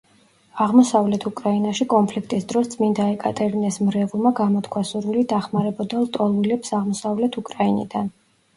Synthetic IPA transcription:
aʁmɔsavlɛt̪ʰukʼɾainaʃikʼɔnpʰlikʰt̪ʼisd̪ɾɔst̪sʼmind̪aɛkʼat̪ʼɛɾinɛsmɾɛvulˠmaɡamɔt̪ʰkʰwasuɾvilid̪aχmaɾɛbɔd̪alˠt̪ʼɔlˠvilɛpsaʁmɔsavlɛt̪ʰukʼɾainḭd̪an

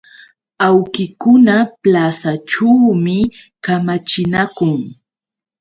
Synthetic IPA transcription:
awkɪkʊnaplasaʈ͡ʂawmɪ | kamat͡ʃɪnakʊŋ

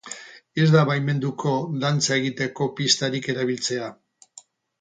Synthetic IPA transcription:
e̞zd̪aβajme̞nd̪ukʰo̞d̪ant͡sae̞ɣit̪e̞ko̞pist̪aɾike̞ɾaβ̞ilt͡se̞a

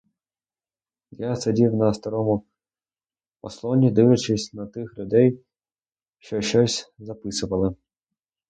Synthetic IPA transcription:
jasɐdʲiwnɐst̪ɐɾɔmʊ | ɔslˠɔnʲid̪ɪʋɐt͡ʃɪsʲnɐt̪ɪxlʲʊd̪ɛj | ʃt͡ʃɔʃt͡ʃɔsʲzɐpɪsʊʋɐlˠɪ

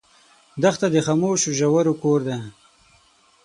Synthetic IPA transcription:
d̪axt̪ad̪əxamoːʃuʒawaɾokoːɾd̪e

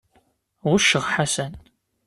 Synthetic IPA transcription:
ʁʊʃːəʁħasæn

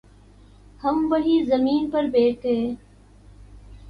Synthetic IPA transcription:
həmʋəɦiːzəmiːnpəɾbeːʈʰɦeː

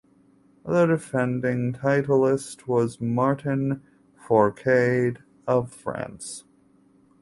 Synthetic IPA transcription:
ðə˞dɨfɛ̃ndɪ̃ŋtʰaɪɾl̩ˠɪst̚wʌzmɑɹʔn̩ | fɔɹkʰeɪɾ | ʌv̥fɹæ̰̃ns

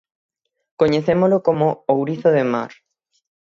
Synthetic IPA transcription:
koɲeθemolokomoowɾiθoðema̰ɾ

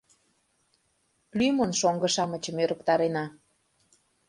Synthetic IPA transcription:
lymənʃoŋɡə̆ʃɑmət͡ɕə̆møɾəkt̪ɑɾenɑ

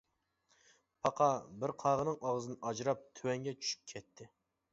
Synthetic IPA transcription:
pʰɑqʰɑbɪɾqʰɑːʁənɨŋʔɑʁzɨnɨʔɑd͡ʒɾɑp̚t̪ʰywɛŋɡʲɛt͡ʃʰy̥ʃy̥p̚kʲʰɛt̪ʰːɪ

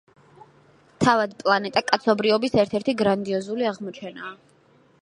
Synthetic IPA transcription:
t̪ʰavad̪pʼlˠanɛt̪ʼakʼat̪sʰɔbɾivɔbisɛɾt̪ʰɛɾt̪ʰiɡɾand̪iɔzuliaʁmɔt͡ʃʰɛnaː

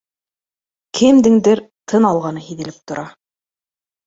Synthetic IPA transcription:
kʰɘmd̪ɘ̆ŋd̪ɘɾt̪ʰɤnɑlˠʁɑnɤɦiðɘ̆lɘp̚t̪ŏɾʔɑ

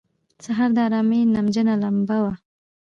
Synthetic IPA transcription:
t͡saɦaɾd̪əaɾɑmenamd͡ʒənalambawa

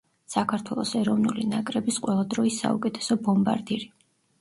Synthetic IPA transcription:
sakʰaɾt̪ʰwɛlˠɔ̰sɛɾɔvnulinakʼɾɛbisqʼwɛlˠad̪ɾɔisa̰ṵkʼɛt̪ʰɛ̥sɔbɔmba̰ɾd̪iɾi

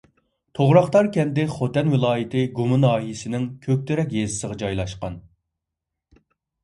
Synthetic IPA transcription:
t̪ʰoʁɾɑχt̪ɑɾkʲɛnd̪ɪχot̪ɛnwɪlˠɑːjɪt̪ʰɪɡumɨnɑːɦijisɪnɪŋkʲʰøk̚ʲt̪ʰyɾɛk̬ʲjezɪ̥səʁɑd͡ʒɑjlˠɑʃqɑn

